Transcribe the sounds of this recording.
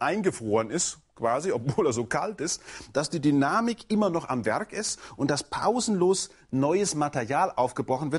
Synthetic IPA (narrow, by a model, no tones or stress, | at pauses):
ʔaɪnɡəfʁ̥oːənɪst | kv̥aːziɔpvoːlɛːɐzoːkʰaltɪstd̥asd̥iːdynaːmɪkʔɪmɐnɔχa̰mvɛɐkɪstʔʊntd̥aspʰa̰ʊzn̩loːs | nɔʏəsmatɛɐʁjaːlʔaʊfɡ̥əbʁɔχn̩vɪɐt